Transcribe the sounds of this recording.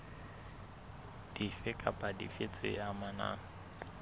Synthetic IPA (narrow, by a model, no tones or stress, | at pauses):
d̥ifɪkʼapʼadḭfɪt͡sʼɪ̰amana̰ː